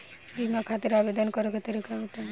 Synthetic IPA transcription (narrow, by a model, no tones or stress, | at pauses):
bimakʰat̪iɾabed̪ɔnkɔɾeket̪əɾikaut̪a